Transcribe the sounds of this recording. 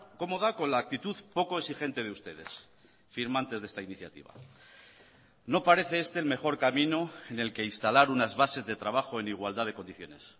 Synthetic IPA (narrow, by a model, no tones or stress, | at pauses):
ko̞mo̞ðako̞nlaːk̚t̪it̪uðpo̞ko̞eksixe̞nt̪e̞ðeust̪e̞ðe̞s | fiɾmãnt̪e̞zðe̞st̪ainiθja̰t̪ḭβa̰ | no̞paɾe̞θe̞est̪e̞ːlme̞χo̞ɾkamĩnoene̞lke̞inst̪alaɾunazβase̞zðe̞t̪ɾaβaxo̞e̞niɣ̞wald̪aðe̞ko̞nd̪iθjo̞̰ne̞s